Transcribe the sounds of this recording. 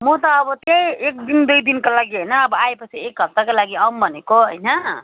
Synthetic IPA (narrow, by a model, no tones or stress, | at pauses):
mut̪ʌːbʌt̪ejek̚d̪ind̪ujd̪inkolaɡiɦəjnʌːbʌaepʌt͡sʰiek̚ɡʱʌp̚t̪akolaɡiʌmbʱʌnekoɦʌ̰jnʌ